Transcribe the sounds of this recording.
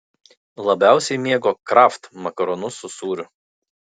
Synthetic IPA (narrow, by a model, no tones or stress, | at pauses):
lˠɐbʲæˑʊsʲɛɪmʲiɛɡoːkɾɑft̪mɐkɐɾɔnʊsʊsuːɾʲʊ